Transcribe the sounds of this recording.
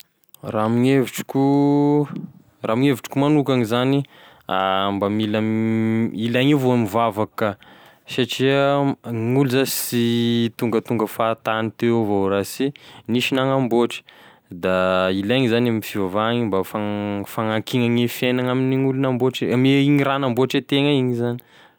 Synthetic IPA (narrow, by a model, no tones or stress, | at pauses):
ramiŋeviʈ͡ʂi̥kʲu | ramiŋeviʈ͡ʂi̥kumanukaŋizani | ambamilam | ilaŋivoamivavakə | saʈ͡ʂiəŋuluzasit̪uŋɡət̪uŋɡəfat̪anit̪evoɾasiniʃinaŋamboʈ͡ʂi̥ | d̪ailaŋizanamiifivavaŋimbafafaŋakiŋaŋefenaŋaminiŋulunamboʈ͡ʂimeiŋiranamboʈ͡ʂet̪eŋaiŋizani̥